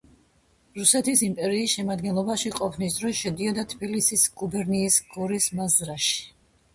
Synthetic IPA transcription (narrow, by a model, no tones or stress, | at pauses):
ɾusɛt̪ʰisimpʼɛɾiːsʃɛmad̪ɡɛnlˠɔbaʃiqʼɔpʰnis̬d̪ɾɔsʃɛd̪iad̪at̪ʰbilisisɡ̥ubɛɾniːsɡ̥ɔɾismazɾaʃi̥